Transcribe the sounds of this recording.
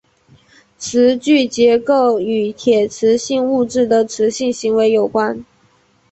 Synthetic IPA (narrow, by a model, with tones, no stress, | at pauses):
ʈ͡ʂʰɻ̩˧˥t͡ɕy˥˩t͡ɕjɛ˧˥ko˥˩ʊy˨˩t̪ʰjɛ˨˩ʈ͡ʂʰɻ̩˧˥ɕi˥˧ŋu˥˧ʈ͡ʂɻ̩˥˩d̪ə˩ʈ͡ʂʰɻ̩˧˥ɕi˥˩ŋɕi˧˥ŋwe˧˥ɪjo˨˩ʊkwa˥n